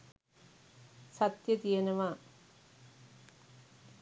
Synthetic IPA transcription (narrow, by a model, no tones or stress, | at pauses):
sɐt̪jɐt̪ijɐnɐʋaː